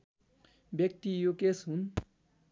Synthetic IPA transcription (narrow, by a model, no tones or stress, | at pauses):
bjʌk̚t̪ijokesɦun